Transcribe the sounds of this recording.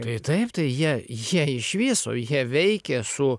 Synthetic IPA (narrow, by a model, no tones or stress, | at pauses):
t̪ɐɪt̪ɐɪpt̪ɐɪjiɛjiɛɪʃʋʲiːso̰ːjiɛʋʲɛɪkʲɛsʊ